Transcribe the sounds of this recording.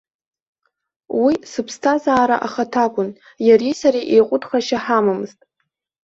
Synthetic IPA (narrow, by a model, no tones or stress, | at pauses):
wisɨpʰstʰazaːɾaʔaχatʰakʷʼʊn | jaɾisaɾiʔejqʷʼʊdχaʃaħamamɨztʼ